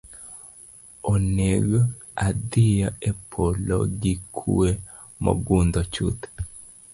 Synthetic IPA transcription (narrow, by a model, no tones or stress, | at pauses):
oneɡ | ad̪ɪjaepʰolɔ̰ɡikʰue | mɔ̰ɡund̪ɔt͡ʃṵt̪